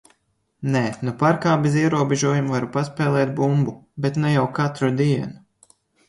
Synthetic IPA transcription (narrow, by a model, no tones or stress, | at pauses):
nɛnupaɾkaːbeziɛɾuɔbeʒuɔjumvaɾupaspɛːlˠɛːt̪̚bumbubet̪nɛjawkat̪ɾud̪iɛnu